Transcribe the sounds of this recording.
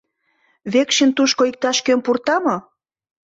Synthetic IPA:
βekʃint̪uʃkoik̚t̪ɑʃkømpurt̪ɑmo

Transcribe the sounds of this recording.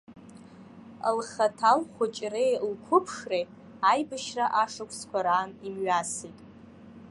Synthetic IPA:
lχatʰalχʷʊt͡ʃʼrejlkʷʰʊpʰʂrej | ajbɨʃraʔaʂakʷʼʰskʷʰaɾaːnimɥasijtʼ

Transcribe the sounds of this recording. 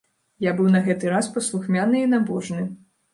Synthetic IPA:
jabɨwnɐɣɛt̪ɨɾaspɐslˠuxmʲanɨinabɔʐnɨ

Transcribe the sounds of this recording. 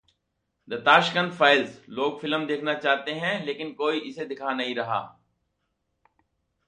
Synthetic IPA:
d̪ɐt̪aːʃkənfʰaːɪlzloːɡfɪləmd̪eːkʰnat͡ʃaːɦt̪eɦɛ̃leːkɪnkoːiʔɪsed̪ɪkʰanɐɦĩɾɐɦa̰ː

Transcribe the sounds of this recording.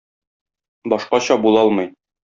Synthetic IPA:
bɒʃqɑɕɒbulˠɒlˠmɤj

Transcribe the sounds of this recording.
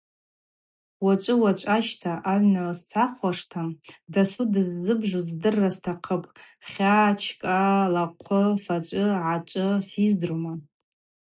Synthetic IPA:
wat͡ʃʷʼɨwat͡ʃʷʼaʃtʰaʔaɥnast͡sʰaχwaʂtʰadasudɨzːɨbʐuzdɨrːastʰaqʰəpʼ | χʲat͡ʃʰkʼalaqʷʰʊfat͡ʃʷʼɨʕat͡ʃʷʼɨsizdɨrma

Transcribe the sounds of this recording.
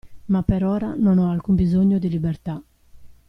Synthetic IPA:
mapːɛɾɔːɾanɔnɔalkumbizoɲːod̪ilibɛrt̪a

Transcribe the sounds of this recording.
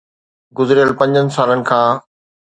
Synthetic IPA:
ɡʊzɾijəlpɐ̃ɲd͡ʑənɪ̆saːlənɪ̆kʰãː

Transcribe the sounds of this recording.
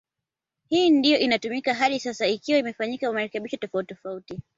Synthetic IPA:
hiːndijɔʔinatumikaɦaɗisasaikiwaimɛfaɲikakwamaɾɛkɛɓiʃɔtɔfauttɔfauti

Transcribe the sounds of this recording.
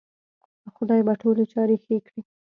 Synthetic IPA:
əxʊd̪ɑjbaʈolet͡ʃɑɾexekɽi

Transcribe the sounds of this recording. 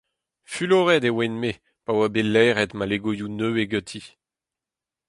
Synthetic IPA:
fyloʁɛd̪ewɛnme | pawabelɛːʁɛt̪maleɡojunøeɡøt̪ʰi

